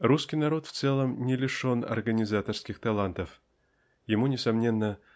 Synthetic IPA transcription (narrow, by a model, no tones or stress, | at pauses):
ruskʲijnaɾo̞t̪ft̪sɛlˠəmnʲɪlʲɪʂo̞nɐ̰rɡənʲɪzat̪ərskʲɪxt̪alˠant̪əf | jɪmunʲɪsamnʲenːə